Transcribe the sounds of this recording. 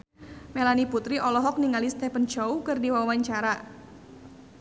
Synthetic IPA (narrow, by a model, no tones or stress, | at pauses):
melaniput̪ɾiʔɔlɔɦɔk̚niŋalist̪ɛpənt͡ʃɔukɨrdiwawaɲt͡ʃaɾa